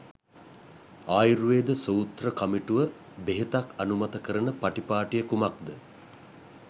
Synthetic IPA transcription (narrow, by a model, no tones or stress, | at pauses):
aːjiɾuʋeːd̪əsowt̪rəkamiʈuʋə | beɦet̪akanumat̪əkəɾənəpaʈipaːʈijəkumak̚d̪ə